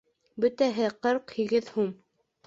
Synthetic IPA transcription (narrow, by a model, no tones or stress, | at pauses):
bɵ̆t̪æɦɘqɤɾqhiɡɘðhum